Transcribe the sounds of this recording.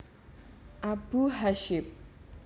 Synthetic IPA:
ʔabuɦaʃɪp̚

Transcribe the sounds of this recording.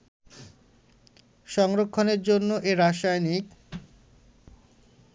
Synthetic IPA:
ʃɔŋɾokʰːoneɾd͡ʑonːoʔeɾaʃajnik

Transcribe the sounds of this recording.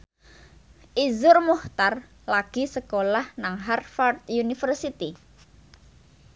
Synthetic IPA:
ʔizʊrmuht̪ar | laɡ̥i̤səkolahnaŋɦarfart̪̚junifərsit̪i

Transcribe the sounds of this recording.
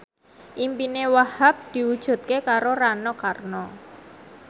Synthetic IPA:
ʔimpinewahap̚d̪̥i̤wud̥ʒ̥ṳt̪̚kekaɾoɾanɔkarnɔ

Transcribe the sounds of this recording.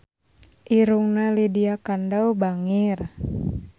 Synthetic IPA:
ʔiɾuŋnalidiakandaubaŋir

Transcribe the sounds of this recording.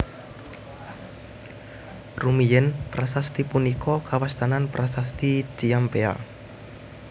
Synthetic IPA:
rumijɛnpɾasast̪ipunikʰɔkawast̪ananpɾʔasast̪i̥d͡ʒ̥iampea̰

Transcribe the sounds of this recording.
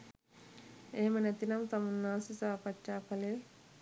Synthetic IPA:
eːmɐnɐt̪inɐmt̪ɐmunːaːsisaːpɐt͡ʃːaːpɐle

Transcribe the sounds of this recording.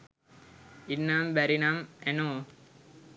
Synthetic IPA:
inːambæɾinameno

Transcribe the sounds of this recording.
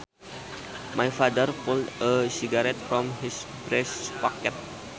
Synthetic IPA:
majfadərpɔldəsiɡaɾɛt̪fɾɔmɦisbɾɛspɔkɛt̚

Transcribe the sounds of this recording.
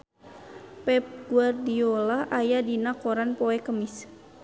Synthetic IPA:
pɛp̚ɡuardiolahʔajadinakoɾanpoɛkəmis

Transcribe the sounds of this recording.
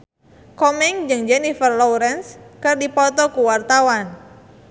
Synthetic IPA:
kɔmɛŋd͡ʒɨŋd͡ʒɛnifərlɔuɾɛnskɨrdipɔt̪ɔkuwart̪awan

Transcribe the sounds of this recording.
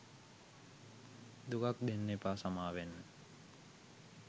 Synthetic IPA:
d̪uɡak̚d̪enːepasamaːʋenːə

